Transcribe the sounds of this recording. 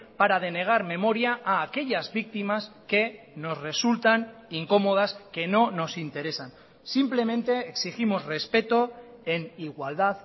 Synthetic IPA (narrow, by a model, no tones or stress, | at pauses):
paɾað̞e̞ne̞ɣ̞aɾme̞mo̞ɾjaʔːke̞ʎazβik̚t̪imaske̞ | no̞sre̞sult̪aniŋko̞mo̞ð̞aske̞no̞no̞sint̪e̞ɾe̞san | simple̞mẽ̞nt̪e̞ːksiximo̞sre̞spe̞t̪o̞ | eniɣwald̪að